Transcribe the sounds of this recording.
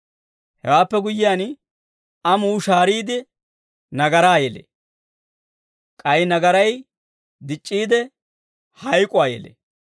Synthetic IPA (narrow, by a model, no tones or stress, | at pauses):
hɛ̰waːpːɛɡʊjːɪjaːn | ɐmuːʃaːɾiːd̪ɪ | nɐɡɐɾaːjɛlḛ | kʼɐjnɐɡɐɾɐj | d̪ɪt͡ʃʼːiːd̪ɛ | hɐjkʼʊaːjɛ̰lḛ